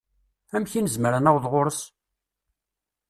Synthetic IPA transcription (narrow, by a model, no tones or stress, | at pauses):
æmçinəzməɾænæwðˤʁʊɾəs